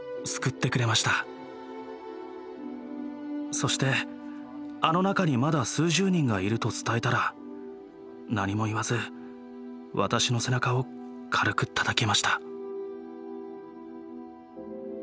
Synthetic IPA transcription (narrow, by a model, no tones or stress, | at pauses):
sɨ̥kɯ̟t̪ːe̞kɯ̟ɾe̞maɕi̥t̪a | so̞ɕi̥t̪e̞ | ano̞nakaɲ̟imad̪asɨːʑɨːɲ̟ĩŋɡaiɾɯ̟t̪o̞t͡sɨ̥t̪aet̪aɾa | naɲ̟imo̞iβazɨ | βa̰t̪aɕino̞se̞nakao̞ | kʰaɾɯ̟kɯ̟t̪ʰḁt̪ake̞maɕi̥t̪ḁ